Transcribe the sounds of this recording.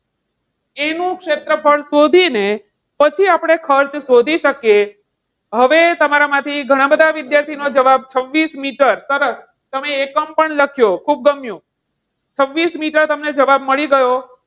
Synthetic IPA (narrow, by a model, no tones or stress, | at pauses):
enũkʂet̪ɾəpʰəɭsod̪ʱine | pət͡ʃʰiapɽ̃ekʰəɾt͡ʃsod̪ʱiʃəkje | ɦəʋet̪əmaɾamãt̪ʰiɡʱəɽ̃ãbəd̪ʱaʋid̪jaɾt̪ʰinod͡ʒəʋab̚t͡ʃʰəʋːismiʈəɾsəɾəs | t̪əmeːkəmpəɳləkʰjokʰub̚ɡəmjũ | t͡ʃʰəʋːismiʈəɾt̪əmned͡ʒəʋab̚məɭiɡəjo